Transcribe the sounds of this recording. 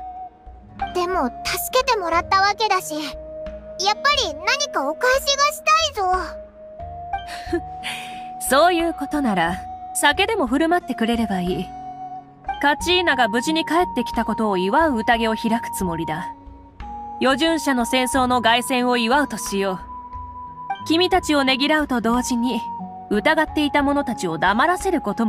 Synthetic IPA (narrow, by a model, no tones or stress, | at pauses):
d̪̥e̞mo̞t̪asɨ̥ke̞t̪e̞mo̞ɾat̪ːaβake̞d̪aɕi | japːaɾʲinaɲ̟ikaokaiɕiɡaɕi̥t̪aizo̞ | so̞ːjɯ̟ːko̞t̪o̞naɾasake̞d̪e̞mo̞ɸɯ̟ɾɯ̟mat̪ːekɯ̟ɾe̞ɾe̞baiː | kat͡ɕiːnaɡabɯ̟ʑiɲ̟ikae̞t̪ːe̞kʲi̥t̪ako̞t̪o̞ːiβaɯ̟ɯ̟t̪aɡe̞o̞çiɾakɯ̟̥t͡sɨmo̞ɾʲid̪a | jo̞ʑɨ̃ɰ̃ɕano̞sẽ̞ɰ̃so̞ːno̞ɡaisẽ̞ɰ̃o̞iβaɯ̟t̪o̞ɕijo̞ː | kʲimʲit̪at͡ɕio̞ne̞ɡʲiɾaɯ̟t̪o̞d̪o̞ːʑiɲ̟i | ɯ̟t̪aɡat̪ːe̞it̪amo̞no̞t̪at͡ɕio̞d̪amaɾase̞ɾɯ̟ko̞t̪o̞